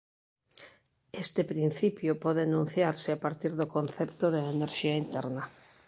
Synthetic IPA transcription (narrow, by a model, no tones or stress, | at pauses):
est̪ɪpɾin̟θipjʊpɔðɪanũn̟θjaɾsɪapaɾt̪iɾðokõnθɛpt̪oðeeneɾʃiaint̪ɛɾnɐ